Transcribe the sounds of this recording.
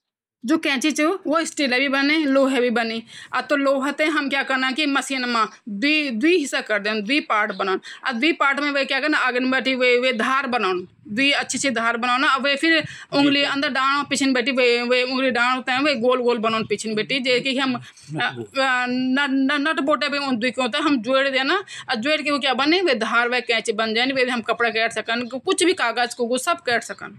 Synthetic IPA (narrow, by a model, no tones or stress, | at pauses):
d͡ʒoːkɛ̃ːt͡ʃiːt͡ʃəoːɪsʈiːlɛːʋiːbəneːloːɦɛːʋiːbəneːət̪õːloːɦət̪ẽːɦəmkjaːkəɾnãːkɪməsiːnmãːd̪iːd̪ʊwiːɦɪsːaːkəɾd̪eːnd̪ʊiːpaːɾʈbənaːnəd̪iːpaːɾʈmɛ̃ːʋeːkjaːkəɾnaːəɡənbɛːʈiːʋeːʋeːd̪ʱaːɾbənaːn | d̪ʊiːətːʃʰiːt͡ʃʰiːd̪ʱaːɾbənaːnaʋeːpʰɪɾʊŋɡliːə̃nd̪əɾɖãːɳoːpɪt͡ʃʰənbɛːʈiːʋeʋeːʊ̃ŋɡliːɖãːnot̪ɛ̃ːʋeːɡoːlɡoːlbənaːnpɪt͡ʃʰnbeːʈiːd͡ʒeːkiɦəm | nəʈboːʈɛːbend̪ʊiːkõːt̪eːɦəmd͡ʒʊeːɽd̪eːnaːd͡ʒʊeːɽkioːkjaːbənẽːʋeːd̪ʱaːɾʋeːkɛ̃ːt͡ʃbənd͡ʒaːnʋeːʋiɦəmkəpɽaːkɛːʈʰsəkənkʊt͡ʃʰbiːkaːɡaːt͡ʃkoːɡoːsəbkɛːʈʰsəkə̰n